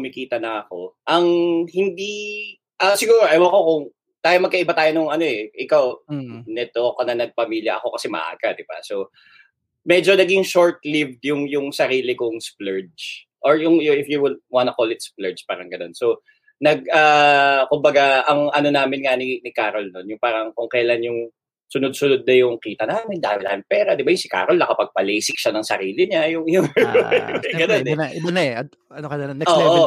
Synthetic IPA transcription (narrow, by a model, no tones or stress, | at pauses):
mɪkiːt̪ɐnɐɐko̞ʔɐŋhɪnd̪i | ʔɐsɪɡuːɾoʔɐjwɐkokʊŋ | t̪aːjomɐɡ̚kɐʔɪbat̪aːjonʊŋɐno̞ɛʔɪkawnɛt̪okɐnɐnɐɡ̚pɐmiːljɐ̰ʔɐ̰ko̞kɐsɛmɐ̰ʔa̰ːɡ̥ad̪ɪba̰so | mɛd͡ʒo̞nɐɡɪŋʃoɹt̪̚livd̪jʊŋjʊŋsɐɾiːlɪkʊŋsplɛɹd͡ʒ | ʔoɹjʊŋjʊʔɪfjuwɪlwanɐkolɪt̪splɛɹd͡ʒpa̰ːɾɐŋɡɐno̞nso | nɐɡ̚aːkʊmbɐɡaʔɐŋʔɐno̞naːmɪnŋɐnɪnɪkaːɾolnonjʊŋpaːɾɐŋkʊŋkɐjɐlanjʊŋ | sʊnʊd̪̚sʊnʊd̪̚nɐjʊŋkiːt̪ɐnaːmɪnd̪aːwɪla̰ːɪŋpɛːɾɐd̪ɪbajʊŋsɪka̰ːɾolnɐkɐpɐɡ̚pɐlɛjsɪkʃanɐŋsɐ̰ɾiːlɪɲajʊŋjʊŋ | ɡɐnonɛʔɪbɐnɐɛɐ | ɐnokɐdɐnoːʔo